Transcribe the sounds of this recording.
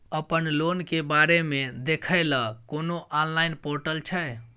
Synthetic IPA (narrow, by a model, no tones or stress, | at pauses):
əpənlonkebaɾemed̪ekʰəɪləkonoʔanlaɪnpoɾʈəlt͡ʃʰɛe